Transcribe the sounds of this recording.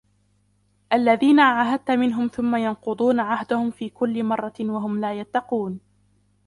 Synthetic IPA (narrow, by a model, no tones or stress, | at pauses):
ʔalːaðiːnaʕaɦad̪̚t̪amɪnɦʊmθʊmːajɑnqʊd̪ˤuːnaʕahd̪ʊhʊmfiːkʊlːɪmɑrˤːɑwaɦʊmlaːjat̪ːɑquːn